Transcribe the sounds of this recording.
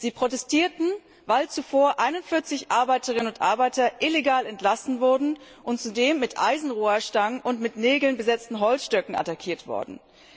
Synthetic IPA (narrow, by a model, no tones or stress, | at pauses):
z̥iːpʁ̥otɛstʰiːɐtn̩ | vaɪlt͡sufoːɐʔaɪnʊntfɪɐt͡sɪçʔaɐbaɪtəʁ̞ɪnənʊntʔa̰ɐbaɪtɐʔɪleɡaːlɛntlasn̩vʊɐdn̩ | ʔʊntt͡sudeːmːɪtʔa̰ɪzn̩ʁuːɐʃtaŋənʔʊntmɪtneːɡl̩nbəzɛt͡stn̩ɦɔlsʃtœkŋ̩a̰takʰiːɐtv̥ɔ̰ɐdn̩